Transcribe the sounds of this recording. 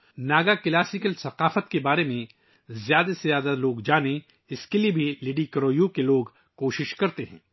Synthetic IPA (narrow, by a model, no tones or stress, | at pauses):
naːɡakɐlaːsɪkəlsɐqaːfət̪kebaːɾemẽ | zjaːd̪asezjaːd̪aloːɡd͡ʒaːne | ɪskeliebʱileːɖikɐɾoːjukeloːɡ | koːʃɪʃkɐɾt̪eɦɛ̰̃ː